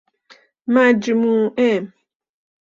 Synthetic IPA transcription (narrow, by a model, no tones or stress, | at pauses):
mad͡ʒimuɛm